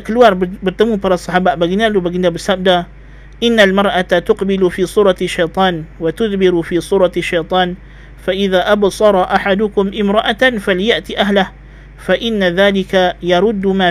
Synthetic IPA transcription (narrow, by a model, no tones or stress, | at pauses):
klwaɾˤbɪt̪amupɑɾˤɑsˤːɑħaːbaːʔbaɡɪnalubaɡɪnd̪abɪsab̚d̪a | ʔɪnːalmɑɾˤʔat̪ʊqbɪlfiːsˤuːɾˤɑʃːajt̪ˤɑːnwat̪ʊðbɪɾufiːsˤuːɾˤɑaʃːejt̪ˤɑːn | faʔɪðaːʔabsˤɑɾˤɑʔaħad̪ʊkʊmʔɪmɾˤɑʔafaljaʔt̪iʔaɦlah | faʔɪnːaðaːlɪkajɑɾˤʊd̪ːmaː